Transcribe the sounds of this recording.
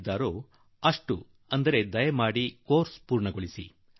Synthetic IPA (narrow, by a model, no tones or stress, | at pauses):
d̪aːɾoː | ɐʂʈu | ɐnd̪ɐɾe̞d̪ɐjɐmaːɽikoːɾspuːɾɳɐɡoɭisḭ